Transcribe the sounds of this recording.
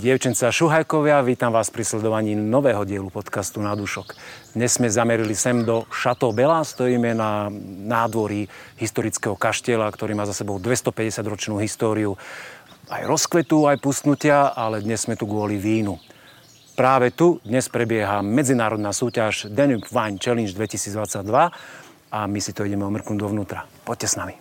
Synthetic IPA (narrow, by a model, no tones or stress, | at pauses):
ɟɪɛʊt͡ʃɛnt͡saʃuɦajkɔʋɪaʋiːt̪amʋaːspɾislɛd̪ɔʋaɲiːnɔʋɛːɦɔɟɪɛlupɔt̪kast̪unad̪uʃɔkd̪̥ɲɛz̥ːmɛzamɛɾilisɛmd̪ɔʃat̪ɔbɛlast̪ɔjiːmɛnanaːd̪ʋɔɾiɦist̪ɔɾit͡skɛɦɔkaʃcɪɛlakt̪ɔɾiːmaːzasɛbɔʊd̪ʋɛst̪ɔpɛɟɛsɪad̪ɾɔt͡ʃnuːɦist̪ɔːɾiu | a̰jɾɔskʋɛt̪uajpust̪nucɪaalɛd̪ɲɛz̥ːmɛt̪uɡʊɔliʋiːnu | pɾaːʋɛt̪ud̪ɲɛspɾɛbɪɛɦamɛd͡zinaːɾɔd̪nasuːcaʒd̪ɛnypʋajnt͡ʃɛlinʒd̪ʋɛcisiːd͡zd̪ʋat͡sːaɟ̚d̪ʋa | amisit̪ɔiɟɛmɛɔmr̩knuːd̪ɔʋnuːt̪ɾapɔc̚cːɛsnami